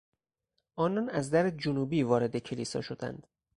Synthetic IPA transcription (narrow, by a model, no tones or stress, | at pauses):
ʔɒːnɒːnæzd̪æɾed͡ʒonuːbiːvɒːɾe̞d̪e̞cʰe̞liːsɒ̰ːʃo̞d̪æ̰nd̪̥